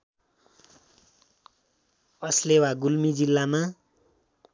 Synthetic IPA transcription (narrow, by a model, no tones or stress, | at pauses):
ʌslewaɡulmid͡zilːama